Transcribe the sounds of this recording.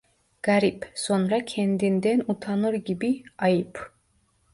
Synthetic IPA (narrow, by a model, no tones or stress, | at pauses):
ɡ̥aɾipsonɾacʲʰɛnd̪ind̪ɛnut̪ʰanɯɾɡʲibiɑjɯpʰ